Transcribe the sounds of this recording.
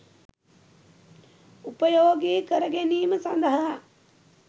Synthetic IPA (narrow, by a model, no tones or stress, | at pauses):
upəjoːɡiːkəɾəɡeniːməsɐnd̪əɦɐɦa